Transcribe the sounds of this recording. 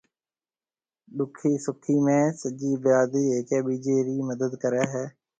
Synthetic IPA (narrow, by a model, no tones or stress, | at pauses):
ɗ̪ʊkʰːiːsʊkʰːiːmẽːsəd͡ʒiːbjaːd̪iːeːkɛːbiːd͡ʒeːɾiːməd̪əd̪kəɾaːɦɛː